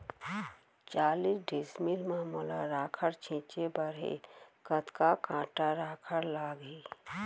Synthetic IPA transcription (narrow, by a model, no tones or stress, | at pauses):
t͡ʃaːliːsɖeːsmilmaːmula̰ɾaːkʰəɾt͡ʃʰɪ̃ːt͡ʃebəɾḛkət̪kakãːʈaɾaːkʰəɾlaːɡɦeː